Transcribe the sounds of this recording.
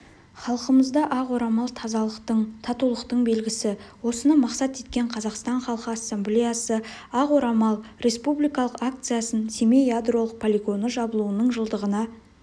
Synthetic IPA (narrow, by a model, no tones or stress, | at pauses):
χɑlˠqəməzd̪ɑʔɑqwo̞ɾɑmɑlˠt̪ʰɑzɑlˠəqt̪əɴt̪ʰɑt̪ulˠəqt̪əɴbe̞lɡʲɪsɪwo̞sənɑmɑqsɑt̪e̞t̪̚kʲe̞ɴqʰɑzɑqst̪ɑɴχɑlˠqəasːemblʲejasəɑqwoɾɑmɑlˠɾe̞spublijkɑlˠəqak̚t̪sɨjasənsemejad̪ro̞lˠəq̚pʰolʲiɡo̞nəʒɑbəlˠuənəɴʒəlˠd̪əʁənɑ